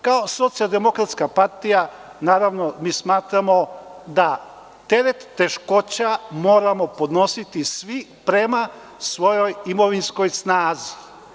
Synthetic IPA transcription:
kaoso̞t̪siald̪e̞mo̞kɾat̪skapaɾt̪ija | naːɾaʋno̞miːsmaːt̪ɾamo̞d̪a | t̪e̞ɾet̪ːe̞ʃko̞t͡ɕamo̞ːɾamo̞po̞d̪no̞sit̪isʋipɾema | sʋo̞jo̞jimo̞ʋinsko̞jsnaːzi

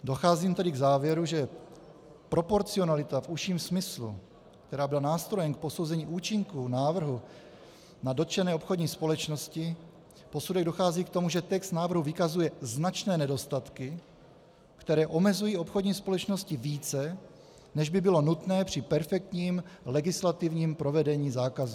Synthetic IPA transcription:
do̞xaːziːmt̪ɛdɪɡzaːvjɛɾuʒɛ | pɾo̞po̞ɾt͡sio̞nalɪt̪afuʃiːmsmɪslṵ | kt̪ɛɾaːbɪlanaːst̪ɾo̞jɛmk̚po̞so̞wzɛɲiːʔuːt͡ʃɪŋkunaːvr̩ɦu | nado̞t͡ʃɛnɛːopxo̞dɲiːspo̞lɛt͡ʃno̞scɪ | po̞sudɛɣɡdoxaːziːkt̪o̞muʒɛt̪ɛkst̪naːvr̩ɦuvɪkazujɛznat͡ʃnɛːnɛdo̞st̪at̪kɪ | kt̪ɛɾɛːʔo̞mɛzujiːo̞pxodɲiːspo̞lɛt͡ʃno̞scɪviːt͡sɛ | nɛʒbɪbɪlo̞nut̪nɛːpr̥ɪpɛɾfɛk̚t̪ɲiːmlɛɡɪslat̪ɪvɲiːmpɾo̞vɛdɛɲiːzaːkazu

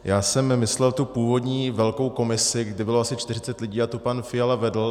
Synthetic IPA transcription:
jaːsɛmmɪslɛlt̪upuːvo̞dɲiːvɛlko̞wko̞mɪsɪɡdɪbɪloasɪt͡ʃt̪ɪrɪt͡sɛt̪lɪɟiːat̪opanfɪjalavɛdl̩

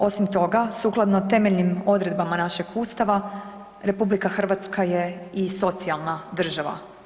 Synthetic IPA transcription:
o̞simt̪o̞ɡasuklˠad̪not̪e̞meʎnimo̞d̪ɾe̞d̪̚bamanaʃeɡuːst̪aʋa | ɾe̞publikaxr̩ʋat̪skaje̞iso̞t̪sialˠnad̪r̩ʒaʋa̰

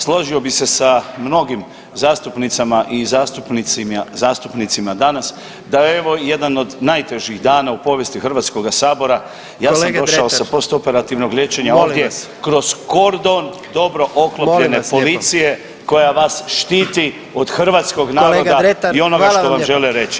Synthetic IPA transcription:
slˠo̞ʒio̞bise̞samno̞ɡim | zaːst̪upnit̪samaʔizaːst̪upniizaːst̪upnit̪simad̪anas | d̪aeeʋo̞je̞d̪ano̞d̪najt̪e̞ʒiɣd̪aːnaupo̞ʋje̞st̪ixɾ̩ʋaːt̪sko̞ɡasaːbo̞ɾa | jaːsamo̞dʃaosapo̞st̪o̞pe̞ɾat̪iʋno̞ɡlʲe̞t͡ɕe̞ɲaoːvd̪jekɾo̞z̥ko̞ɾd̪o̞n | d̪o̞bɾo̞ʔokloplʎe̞ne̞po̞lit̪sije̞ | ko̞jaʋasʃt̪iːt̪i | o̞d̪xr̩ʋaːt̪sko̞ɡnaːɾod̪aio̞no̞ɡaʃoʋamʒe̞leɾe̞t͡ʃi̥

